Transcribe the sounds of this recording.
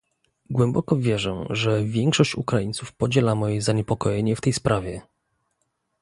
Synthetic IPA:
ɡwɛmbɔkɔvʲjɛʐɛʐɛvʲjɛŋkʂɔɕt͡ɕṵkɾajint̪sufpɔd͡ʑɛlamɔjɛzaɲɛpɔkɔjɛɲɛft̪ɛjspɾʔavʲjɛ

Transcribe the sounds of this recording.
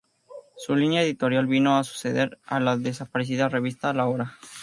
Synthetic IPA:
sulinjaeðit̪o̞ɾjalβino̞asu̥se̞ðeɾa̰laðe̞s̬apaɾes̬iðare̞β̞ist̪aːlaoɾa

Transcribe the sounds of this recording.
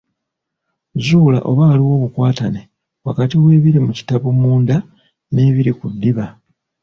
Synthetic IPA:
zuːla̰ʔo̞̰βaaliwo̞ːβukwaːtane | wakatiβwe̞ːβiɾimuci̥taβumuːnda | ne̞ːβiɾikud̪ːiβa

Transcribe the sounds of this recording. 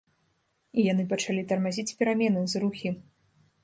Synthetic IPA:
ijan̪ɨpɐt͡ʂalʲit̪ɐrmazʲit͡sʲpʲɛɾamʲɛnɨzɾuxʲi

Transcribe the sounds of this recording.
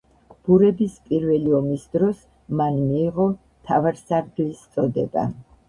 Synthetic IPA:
b̥uɾɛbispʼiɾvɛliɔmisd̪ɾɔs | manmiːʁɔ | t̪ʰavaɾsaɾɡlist̪sʰʼɔd̪ɛ̰ba̰

